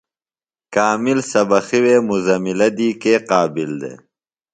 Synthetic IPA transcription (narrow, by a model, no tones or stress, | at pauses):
kaːmilsɐbɐxiweːmuzɐmilɐd̪iːkeːqaːbild̪ḛː